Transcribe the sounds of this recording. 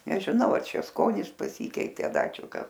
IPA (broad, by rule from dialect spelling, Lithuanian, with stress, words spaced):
nʲɛʒʲɪˈnɐʊ ɐ ˈt͡ʃʲɛ ˈskoːnʲɪs pɐˈsʲiːkʲɛɪtʲeː ɐ ˈdɐ ˈt͡ʃʲɛ ˈkɐs